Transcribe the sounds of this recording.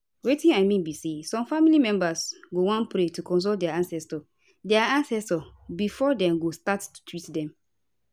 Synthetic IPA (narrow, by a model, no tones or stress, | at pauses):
wetĩnaɪmĩnbisesɔ̃mfamilimɛ̃mbasɡowãnpɾetukɔ̃ns̬oldɛaãnsɛstɔ | dɛaãnsɛstɔbifɔdɛ̃mɡostattu̥tʰwitdɛ̃m